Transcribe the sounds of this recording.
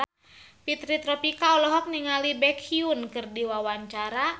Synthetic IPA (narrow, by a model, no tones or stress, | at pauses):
pit̪ɾit̪ɾɔpikaɔlɔɦɔk̚niŋalibɛkʰiunkɨrdiwawaɲt͡ʃaɾa